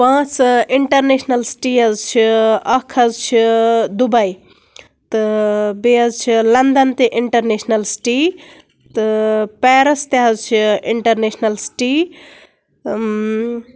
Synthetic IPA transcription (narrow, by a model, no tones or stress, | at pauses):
pãːt͡siɳʈɐɾnesʰnɐlsʈiɐzt͡ʃʰiɐkʰɐzt͡ʃʰid̪ubɐi | t̪ɨbeɐzt͡ʃʰilɐnd̪ɐnt̪eʔiɳʈɐɾneːsʰnɐlsʈi | t̪ɨpɛːɾɐst̪eɦɐzt͡ʃʰiiɳʈɐɾnesʰnɐlsʈi